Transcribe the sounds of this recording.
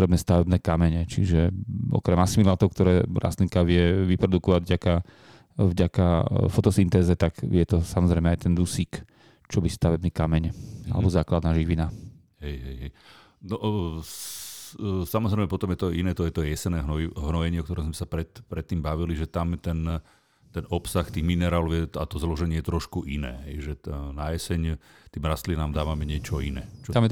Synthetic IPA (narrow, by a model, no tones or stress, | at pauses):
ɾɛbnɛːst̪aʋɛbnɛːkamɛɲɛt͡ʃḭʒɛʔɔ̰kɾɛmasimilaːt̪ɔʊkt̪ɔɾɛːɾa̰st̪liŋkaʋɪɛʋipɾɔd̪ukɔʋaɟvɟaka | vɟakafɔt̪ɔsint̪ɛːzɛt̪aɡjɛt̪ɔsamɔzɾɛɪmɛajt̪ɛnd̪usiːk | t͡ʃɔbist̪aʋɛbniːkamɛɲa̰lɛ̰bɔzaːklad̪naːʒiʋina | ɦɛjɦɛjɦɛj | nɔʔ | samɔzɾɛɪmɛpɔt̪ɔmjɛt̪ɔinɛːt̪ɔjɛt̪ɔjɛsɛnɛːɦnɔiɦnɔjɛɲɪɛɔkt̪ɔɾɛmzmɛsapɾɛt̪pɾɛt̪ːiːmbaʋiliʒɛt̪amt̪ɛn | t̪ɛnɔpsaxt̪iːɣminɛɾaːlɔʊjɛat̪ɔzlɔʒɛɲɪɛjɛt̪ɾɔʃkuʔinɛ̰ːɦɛjʒɛnajɛsɛɲt̪iːmɾast̪linaːmd̪aːʋamɛɲɪɛt͡ʃɔinɛ̰ːt͡ʃɔt̪amjɛ